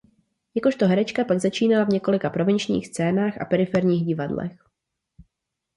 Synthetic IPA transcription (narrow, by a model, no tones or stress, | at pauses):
jako̞ʃt̪o̞ɦɛɾɛt͡ʃkapaɡzat͡ʃiːnalavɲɛko̞lɪkapɾo̞vɛnt͡ʃɲḭːxst͡sɛːnaːxa̰pɛɾɪfɛɾɲiːɣɟɪvadlɛ̰x